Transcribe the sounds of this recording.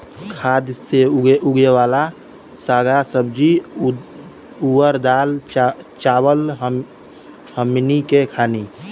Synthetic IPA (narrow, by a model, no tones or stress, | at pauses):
kʰad̪seuɡeʋaːla | saːɡasəb̚d͡ʒi | uwəɾd̪aːlt͡ʃaːwəlɦ | həmnikekʰaːni